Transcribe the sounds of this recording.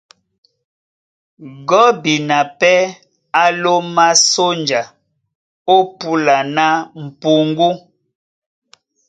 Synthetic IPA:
ɡɔ˦bi˨na˨pɛ˦ | a˦lo˦ma˦so˦nd͡ʒa˨ | o˦pu˦la˨na˦m̩˨pu˨ŋ˦ɡu˦

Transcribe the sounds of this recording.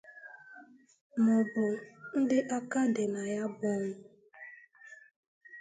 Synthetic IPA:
mʊ˨bʊ˨n̩˦dɪ˦ʔa˦ka˦de˨na˨ja˦bɔ˦ŋʊ˨˦

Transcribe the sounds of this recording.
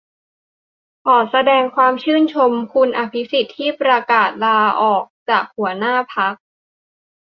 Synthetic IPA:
ʔʰɔː˨˩sa˧dɛː˧ŋkʰwaː˧mt͡ɕʰɯː˥˩nt͡ɕʰo˧mkʰu˧nʔaː˧pʰi˦˥si˨˩t̪ʰːiː˥˩pɾa˧kaː˨˩t̪̚laː˧ʔɔː˨˩k̚t͡ɕaː˨˩k̚hu˩˦ɐnaː˥˩pʰa˦˥k̚

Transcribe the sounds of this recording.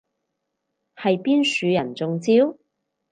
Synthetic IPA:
hɐ˨jpiː˥nsyː˨˧jɐ˨˩nt͡sʊ˨˧ŋt͡siː˥w

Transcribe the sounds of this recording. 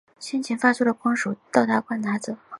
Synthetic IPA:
ɕjɛ˥nt͡ɕʰɛ˧˥nfa˥sʰu˥lə˨˩kʰɑ˥ŋʂu˨˩t̪ɑ˥˩ʊt̪a˥˩kwa˥˩nt̪ʰa˧˥t͡sɤ˨˩˦

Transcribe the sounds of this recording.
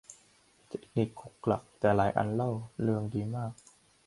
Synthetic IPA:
t̪ʰe˨˦˩k̚ni˨˩kʰːo˨˩kːla̰˨˩k̚t̪ɛː˨˩laː˩˦jʔa̰˧nla˥˩wlɯ˥˩əŋdiː˧maː˥˩k̚

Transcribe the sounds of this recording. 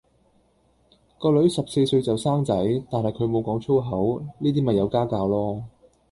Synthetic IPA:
kɔː˧lɵ˨˥ɥsɐ˨p̚se˧jsɵ˧ɥt͡sɐ˨wsaː˥ŋt͡sɐ˨˥jt̪aː˨nhɐ˨˩jkʰɵ˨˧ɥmo˨˧wkɔː˨˥ŋt͡ʃʰo˥wɦɐ˨˥wniː˥t̪iː˥mɐ˨jɐ˨˧wkaː˥kaː˧wlɔː˥

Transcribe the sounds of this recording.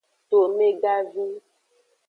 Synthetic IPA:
t̪o˨me˦ɡa˦vi˦

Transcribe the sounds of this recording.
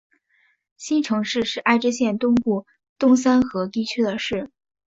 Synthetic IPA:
ɕi˥nʈ͡ʂʰɤ˧˥ŋʂɻ̩˥˧ʂɻ̩˥˧ʔa˥˧ɪʈ͡ʂɻ̩˥ɕjɛ˥˧nt̪ʊ˥ŋpu˥˩ | t̪ʊ˥ŋs̬a˥nxɤ˧˥t̪i˥˧˩t͡ɕʰy˥d̪ə˨ʂɻ̩˥˩

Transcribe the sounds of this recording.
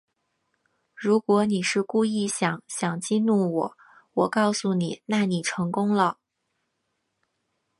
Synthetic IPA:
ɻu˧˥kwɔ˧˥ni˨˩ʂɻ̩˥˧ku˥˧i˥˩ɕjɑ˨˩˦ŋɕjɑ˨˩ŋt͡ɕi˥˧nu˥˩wɔ˨˩˦ | wɔ˨˩kɑ˥˩ʊsu˩ni˨˩˦na˥˩ni˨˩ʈ͡ʂʰɤ˧˥ŋkʊ˥ŋlə˨

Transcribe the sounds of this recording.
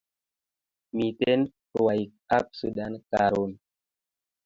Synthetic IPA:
mi˨te˦n | wa˨jk̚ | a˦p̚sṵ˨da˦nkaɾu˨n

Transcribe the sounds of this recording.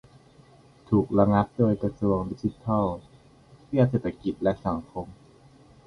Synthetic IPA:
t̪ʰuː˨˩k̚ɾa˧ŋa˦˥p̚doː˧˥˩jkɾa˧su˧əŋdi˦˥t͡ɕi˦˥t̪ʰa˥˩w | pʰi˥˩t̪seː˨˩t̪ʰːa˧ki˨˩t̪̚lɛ˦˥ʔsa˩˦ŋkʰo˧m

